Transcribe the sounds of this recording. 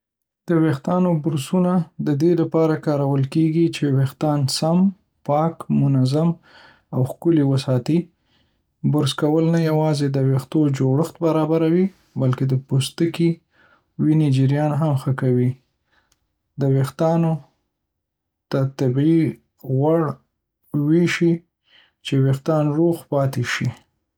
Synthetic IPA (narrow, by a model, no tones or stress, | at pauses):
d̪̥əwext̪ɑnobʊɾsunad̪əd̪elapɑɾakɑɾawəlkeɡit͡ʃewext̪ɑnsam | pɑkmʊnazam | awxkʊliwəsɑt̪i | bʊɾskawəlnajawɑzed̪əwext̪od͡ʒoɽəxt̪̚baɾɑbaɾawi | balked̪əpust̪əki | wined͡ʒəɾjɑnɦamxəkawi | d̪əwext̪ɑno | t̪at̪abi | ɣwaɽ | wiʃi | t͡ʃewext̪ɑnɾoxpɑt̪eʃi